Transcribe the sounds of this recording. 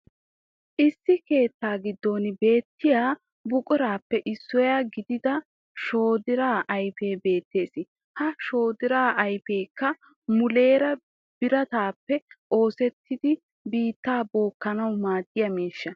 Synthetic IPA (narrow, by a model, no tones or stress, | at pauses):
ʔɪsːɪke̞ːt̪ːaːɡɪd̪ːoːnɪbe̞ːt̪ːɪjaː | bʊkʼʊɾaːpːɛʔɪsːɔjaːɡɪd̪ɪd̪ɐ | ʃo̞ːd̪ɪɾaːʔɐjfe̞ːbe̞ːt̪ːe̞ːsɪ | hɐʃo̞ːd̪ɪɾaːʔɐjpeːkːɐ | mʊle̞ːɾɐ | b̥ɪɾɐt̪aːpːɛʔo̞ːsɛt̪ʰːɪd̪ɪ | biːt̪ːaːbo̞ːkːɐnɐwmaːd̪ːɪjɐmeːʃːɐ